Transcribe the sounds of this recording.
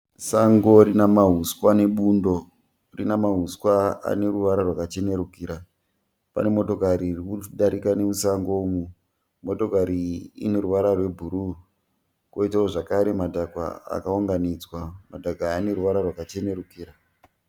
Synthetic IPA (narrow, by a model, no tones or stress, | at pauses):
saŋɡo̞rinamaɦuskwane̞ɓundo̞ | rinamaɦuskwaa̰ne̞ɾuʋaɾarwakat͡ʃe̞ne̞ɾukiɾa | pa̰ne̞mo̞to̞kaɾirikuɗaɾikanemusaŋɡomu | mo̞to̞kaɾiḭne̞ɾuʋaɾarwe̞bʱuɾu | koitaoʐakaɾe̞madʱaɡwa̰a̰kauŋɡanid͡zwamadʱaɡʱane̞ɾuʋaɾarwakat͡ʃe̞ne̞ɾukiːɾa